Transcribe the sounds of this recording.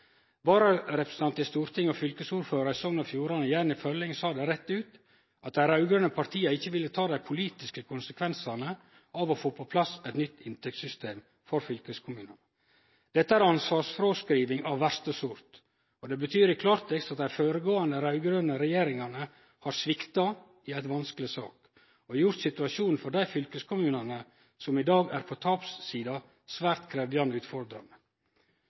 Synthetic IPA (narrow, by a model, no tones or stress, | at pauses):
bɑːɾəɾɛpɾəsən̩ɑnt̪ɪst̪uːɾt̪ɪŋɔfʏlkəsuːɾføːɾɑɪsɔŋnɑfjuːɾɑnəjænɪfœlɪŋsɑːd̪ɛɾɛt̪ːʉːt̪ | ɑt̪̚d̪æɪɾɑʉɡɾønəpʰɑɾt̪ʰiːəɪçːəʋɪlːət̪ʰɑːd̪æɪpʰʊliːt̪ɪskəkʰʊnsəkʰʋɛnsɑnə | ɑʋɔfoːpʰɔpʰlɑsɛt̪nʏt̪ːɪnt̪ʰɛk̚t̪sʏst̪ʰeːm | fɔɾfʏlkəskʰʊmʉːnən | d̪̥ɛt̪ːəæɾɑnsʋɑːsfɾoːskɾiːʋɪŋɑʋʋæɾst̪əsʊɾt̪ | ɔd̪ɛbət̪ʰyːɾɪkʰlɑːɾt̪ʰɛkst̪ɑt̪d̪æɪføːɾəɡoːɑnəɾɑʉɡɾønəɾɛjeːɾɪŋɑnə | hɑɾsʋɪkt̪ɑ | ɪæɪt̪ʋɑnskəlɪsɑ̰ːk | ɔjʊɾt̪sɪt̪ʉɑʃuːnn̩fɔɖ̪æɪfʏlkəskʰʊmʉːnɑnə | sɔmɪd̪ɑːɡæːɾpʰɔt̪ʰɑːpsːiːd̪ɑ | sʋæːɾt̪kʰɾeːʋjɑnd̪əʉːt̪fɔɾd̪ɾɑ̰nə